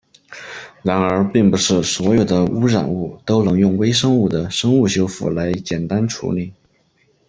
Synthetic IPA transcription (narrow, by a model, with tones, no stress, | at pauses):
ɻa˧˥nə˞˧˥pi˥˩ŋpu˧˥ʂɻ̩˥˩swɔ˧˥jo˨˩ʊd̪ə˦u˥ɻa̰˨˩nu˥˩t̪o˥ʊnɤ˧˥ŋjʊ˥˩ŋwe˥ɪʂɤ˥ŋu˥˩d̪ə˩ʂɤ˥ŋu˥˩ɕjo˥ʊfṵ˥˩la˧˥ɪt͡ɕjɛ˨˩nt̪a˥nʈ͡ʂʰṵ˧˥li˥˩˦